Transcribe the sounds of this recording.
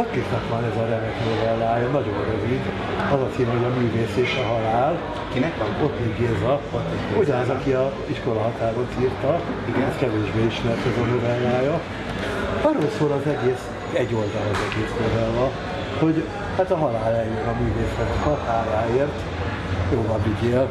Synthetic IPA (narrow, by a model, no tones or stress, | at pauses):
ok̪ːiknɒkʋɒnɛzɒɾɛmɛkno̞vɛlːaːjɒnɒɟo̞nrøvid̪ | ɒzɒsivɛɦoɟɒmyːveːseːʃɛɦɒlaːl | ɒkinɛkʋɒnot̪niɡezɒ | uɟɒnɛzɒkiɒ | iʃko̞lɒɦɒt̪aːɾot̪iːrt̪ɒɛskɛveːʒbeːiʃmɛrt̪ɛzɛno̞vɛlːaːjɒ | ɒrːolsoːlɒzɛɡeːs | ɛɟːo̞ld̪ɒlɛzɛɡeːsnovɛlvɒ | ho̞ɟ | hat̪ɒɦɒlaːlɛjjønɒmyːveːsnɛɡɒkɒt̪haːɾaːeːrt̪ | joːlɒbiɡeːl